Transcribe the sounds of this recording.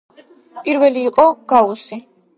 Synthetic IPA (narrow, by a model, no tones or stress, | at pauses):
pʼiɾvɛliːqʼɔɡ̥ausi